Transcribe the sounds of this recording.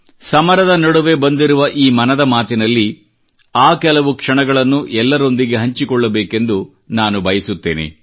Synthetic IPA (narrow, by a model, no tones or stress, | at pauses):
sɐmɐɾɐd̪ɐnɐɽuʋe̞bɐnd̪iɾuʋɐʔiːmɐnɐd̪ɐmaːt̪inɐlːi | aːkɛlɐʋukʂɐɳɐɡɐɭɐnːuʔɛlːɐɾo̞nd̪iɡe̞ɦɐɲt͡ʃikɔɭːɐbeːke̞nd̪u | naːnubʱɐjɐsut̪ːeːnḛ